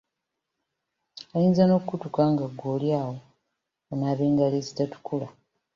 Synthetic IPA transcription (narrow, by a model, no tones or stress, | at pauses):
ajiːnzanokukutukaːŋɡaɡːoːljaːwo | onaːβeːŋɡaleːzitatu̥kula